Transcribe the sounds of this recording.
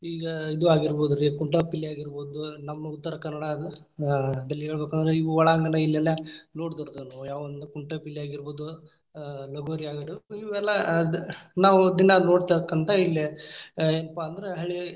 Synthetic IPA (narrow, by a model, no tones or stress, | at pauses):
iːɡɐid̪uaːɡiɾboːd̪uɾikuɳʈɐpilːiaːɡiɾboːd̪unɐmːɐut̪ːɐɾɐkɐnɐɽɐ | d̪ɐlːiɦeːɭbeːkɐnd̪ɐɾeiʋuʋɐɭaːŋɡɐnɐilːɐlːɐno̞ːɽd̪ɐɾd̪unɐjaːʋɐʋɐnd̪ukuɳʈɐpilːiaːɡiɾboːd̪u | lɐɡuʋɐɾiaːɡɐɽuiʋɛlːɐ | naːʋud̪inɐno̞ːɖt̪aɾkːɐnt̪ɐilːi | eːnɐpaːnd̪ɐɾeɦɐɭi